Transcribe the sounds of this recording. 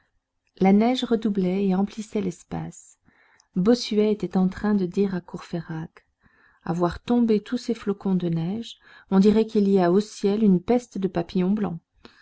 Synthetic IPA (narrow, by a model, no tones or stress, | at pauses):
lanɛʒʁəd̪ublɛeɑ̃plisɛlɛspa̰s | bɔsyɛet̪ɛt̪ɑ̃t̪χɛ̃d̪əd̪iʁakuʁfeʁak | a̰vwaʁt̪ɔ̃bet̪ʰuseflɔkɔ̃d̪ənɛʒ | ɔ̃d̪iʁɛkiliaosjɛlynpɛst̪d̪əpapijɔ̃blɑ̰̃